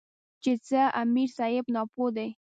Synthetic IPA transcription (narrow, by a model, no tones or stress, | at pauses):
t͡ʃet͡səamiɾsɑɪbnɑpod̪ej